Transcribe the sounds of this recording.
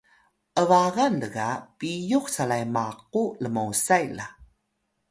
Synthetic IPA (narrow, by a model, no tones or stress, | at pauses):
ʔəvaɣandəɡapijuxsalajmaq̚uləmawsajla̰